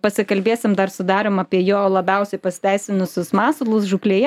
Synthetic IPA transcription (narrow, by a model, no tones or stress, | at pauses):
pɐsʲɪkɐlʲbʲeːsʲɪmd̪ɐrsʊd̪ɑːɾʲoːmɑpʲiɛjoːlˠɐbʲɛʊsʲɛɪpɐsʲɪ̥t̪ʲæɪsʲɪnʊsʲʊsmɑːsʊlˠʊsʒʊklʲeːjɛ